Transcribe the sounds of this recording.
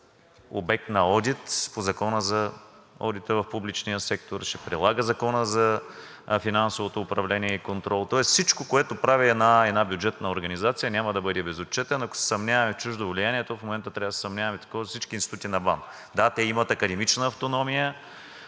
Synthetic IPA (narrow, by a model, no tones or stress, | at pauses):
obɛk̚t̪nɐɔd̪it̪pozɐkɔnəzɐɔd̪it̪əvɐfpublit͡ʃnijəsɛk̚t̪oɾʃɛpɾɛlˠaɡəzɐkɔnəzɐ | finansovot̪oːpɾɐvlɛnʲiɛikont̪ɾɔlˠt̪ɔɛssit͡ʃkokoɛt̪opɾaviɛd̪naɛd̪nabjud͡ʒɛt̪nəoɾɡɐnizat̪sijənʲamɐd̪ɐbɤd̪ɛbɛzot͡ʃɛt̪ɛnɐko̥sɛ̥sɐmnʲavɐmɛt͡ʃuʒd̪ovlʲijaniɛt̪ofmomɛnt̪ət̪ɾʲavəsɛ̥sɐmnʲavɐmɛt̪ɐ̥kɔzsit͡ʃkinst̪it̪ut̪inɐban | d̪at̪ɛimɐt̪ɐkɐd̪ɛmit͡ʃnəːft̪onɔmijə